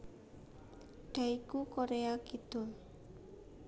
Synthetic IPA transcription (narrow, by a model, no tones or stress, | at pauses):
d̥aikukoɾeakit̪ʊl